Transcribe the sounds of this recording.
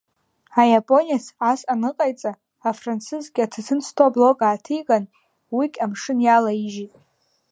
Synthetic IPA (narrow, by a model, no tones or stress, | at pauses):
ajapʼo̞nijasasʼanɨqʼajt͡sʼaː | frant͡sʰɨzɡʲatʰatʰɨnt͡sʰtʰoblo̞ɡʼaːtʰijkʼan | wikʲʼamʂɨnjalaiʒitʼ